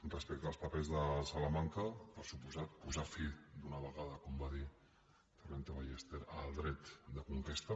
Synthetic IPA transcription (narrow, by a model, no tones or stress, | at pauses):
drəspɛk̚t̪əːlˠspapezðəsalamaŋkaβasupuzat̪̚puzafid̪unəβəɣaðəkombaði | t̪əɾent̪eβajest̪eɾəlˠd̪ɾɛt̪d̪əkuŋkest̪ɐ